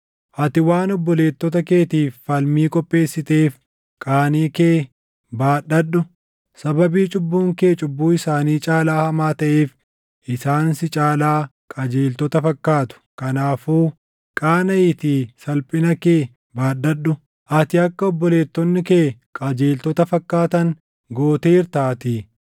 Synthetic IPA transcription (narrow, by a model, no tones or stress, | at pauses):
ʔɐt̪ɪwaːnɔbːɔle̞ːt̪ːɔt̪ɐkeːt̪iːfːɐlmiːkʼɔpʼːe̞ːsːɪt̪eːf | kʼaːniːkeː | baːɗɐɗːʊ | sɐbɐbiːt͡ʃʼʊbːuːŋke̞ːt͡ʃʼʊbːuːɪsaːniːt͡ʃʼaːlaːhɐmaːt̪ɐʔeːf | ʔɪsaːnsɪt͡ʃʼaːlaː | kʼad͡ʒeːlt̪ɔt̪ɐfɐkːaːt̪ʊ̥kɐnaːfuː | kʼaːnɐjɪt̪iːsɐlpʼɪnɐkeː | baːɗːɐɗːʊ | ʔɐt̪ɪɐkːɐɔbːɔle̞ːt̪ːɔnːɪkeːkʼad͡ʒeːlt̪ɔt̪ɐfɐkːaːt̪ɐŋ | ɡo̞ːt̪eːɪɾt̪aːt̪ɪ